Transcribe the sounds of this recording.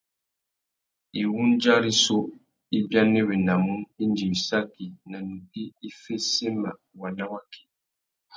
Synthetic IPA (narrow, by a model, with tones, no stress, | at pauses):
i˨wu˦nd͡ʒa˦ɾi˦so˦ | i˦bja˦ne˦βe˨na˨mu˦ni˦n˦d͡ʒi˨wi˨sa˦ki˨na˨nu˨ki˦i˦fe˦se˦ma˨ | wa˨na˦wa˦kʰe̥˨